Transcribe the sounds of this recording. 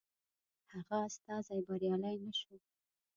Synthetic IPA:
haɣaːst̪ɑzajbaɾjɑlajnaʃu

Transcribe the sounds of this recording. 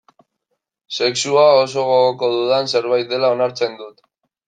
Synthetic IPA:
se̞ksuaos̬o̞ɣoɣoko̞ðuðanse̞ɾβajt̪̚d̪e̞laonaɾt͡se̞nd̪ut̪

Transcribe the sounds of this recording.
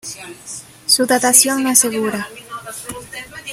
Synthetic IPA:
suðat̪asjoŋnõaseɣuɾa

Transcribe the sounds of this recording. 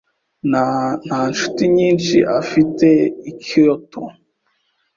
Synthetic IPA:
nan̥anʃu̥tiɲiːnt͡ʃiʔafiteikʰiɾotʰo

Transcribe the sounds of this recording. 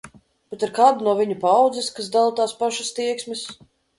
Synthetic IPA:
bɛt̪iɾkaːd̪unuɔvʲiɲupawd̪zɛskas̬d̪alˠt̪aːspaʃast̪iɛksmis

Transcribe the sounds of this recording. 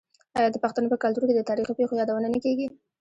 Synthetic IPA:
ɑjɑd̪əpaxt̪anopəkalt̪uɾked̪ət̪ɑɾixopexojɑd̪awənanakeɡi

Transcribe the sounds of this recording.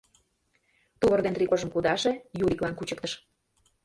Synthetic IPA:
t̪uβərd̪ent̪rikoʒə̆mkud̪ɑʃejuɾʲiklɑnkut͡ɕə̆k̚t̪əʃ

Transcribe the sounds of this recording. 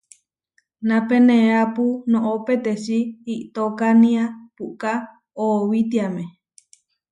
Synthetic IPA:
nãpenẽapunõʔopet̪esiːʔt̪okanĩapuʔka | owit̪̬iamẽ

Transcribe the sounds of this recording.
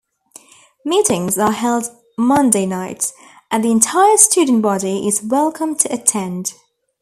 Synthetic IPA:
miˑtɪ̃ŋzəɦɛlˠd | mʌ̃ndeɪnaɪt | ʔə̃nðiɪ̃ntʰaɪəst͡ʃʉːdⁿn̩b̥ɒɾiɪzwɛlˠkʰə̃mtʰəətʰɛ̃nd̥

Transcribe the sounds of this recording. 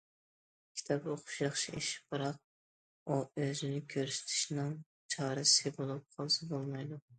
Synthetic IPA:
kʲʰi̥t̪ʰɑpoqʊ̥ʃjɑχʃieʃi̥p̚bɨɾɑq̚ | uøzɪnɪkʲʰøɾsɪ̥t̪ʰɪ̥ʃnɨŋ | t͡ʃʰɑɾɨsɨbolˠup̚qʰɑlˠsɨbolˠmɑjd̪u

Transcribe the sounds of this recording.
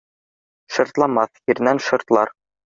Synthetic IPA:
ʃɤ̆ɾt̪lˠɑmɑθhiɾnænʃɤ̆ɾt̪lˠɑɾ

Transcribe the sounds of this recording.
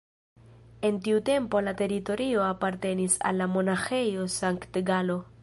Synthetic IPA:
e̞ntiute̞mpo̞late̞ɾito̞ɾio̞apaɾte̞nisa̰lːamo̞naxe̞jo̞saŋktɡalo̞

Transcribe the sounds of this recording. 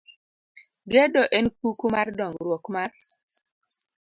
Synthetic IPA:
ɡedɔʔenkukumardɔŋɡɾwɔkmar

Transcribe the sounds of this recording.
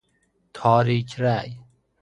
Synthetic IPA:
t̪ʰɔːɾiːt͡ɕraːj

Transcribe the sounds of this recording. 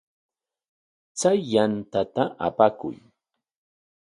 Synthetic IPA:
t͡sajːant̪at̪aʔa̰pakʊ̰j

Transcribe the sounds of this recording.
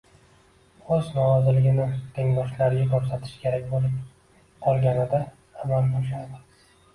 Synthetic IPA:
ɵznɒɾɒzɪlɪɡʲɪnɪt̪ʰe̞ŋd̪ɒʃlaɾɡʲakʲʰoɾsat̪ʰɪ̥ʃkʲʰe̞ɾakʲbolˠɪ | qʰɒlˠɡʲanɪd̪aː | malb̪ʰɒʃad̪ɪ

